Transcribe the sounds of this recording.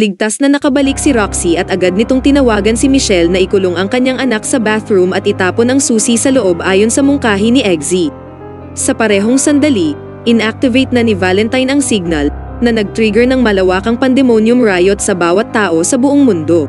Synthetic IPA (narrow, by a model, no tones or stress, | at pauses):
lɪɡ̚t̪asnɐnɐkɐbɐlik̚sɪɾaksiʔɐt̪ʔɐɡad̪̚nɪt̪o̞ŋt̪ɪnɐwaːɡɐnsimɪʃɛlnɐʔɪkʊloŋɐŋkɐɲaŋʔɐnak̚sɐbaθɹumʔɐt̪ʔɪt̪aːponɐŋsuːsisɐloʔo̞bʔaːjo̞nsɐmʊŋkaːɦinɪʔɛɡzi | sɐpɐɾɛːɦo̞ŋsɐnd̪ɐli | ʔɪnʔak̚t̪ɪvejt̪̚nɐnɪvaːlɛnt̪ɐjnɐŋsiɡ̚nɐl | nɐnɐɡ̚t̪ɾiɡɛɹnɐŋmɐlɐwaːkɐŋpɐnd̪ɛmonjʊmɹajot̪̚sɐbaːwɐt̪ːaːʔo̞sɐbʊʔoŋmʊnd̪o̞